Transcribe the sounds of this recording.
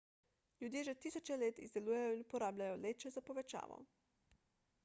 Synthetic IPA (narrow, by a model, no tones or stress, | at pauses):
ljud̪jeːʒɛt̪iːsɔt͡ʃɛleːt̪ḭzd̪ɛluːjɛjɔinupɔɾaːblʲajɔleːt͡ʃɛzapɔʋɛt͡ʃa̰ːʋɔ̰